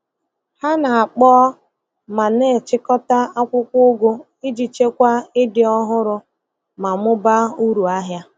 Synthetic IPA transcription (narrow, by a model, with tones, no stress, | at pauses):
ha˦na˨a˨k͡pɔː˦ | ma˨ne˦˨t͡ʃɪ˦kɔ˦ta˦a˦kʷʊ˦kʷʊ˦ʊ˦ɡʷʊ˦ | ɪ˦d͡ʒi˨t͡ʃe˦kʷa˦ɪ˦dɪ˨ɔ˦ɦʊ˦ɾʊ˦ | ma˨mʊ˦ba˦u˦ɾu˨a˦ɦja˦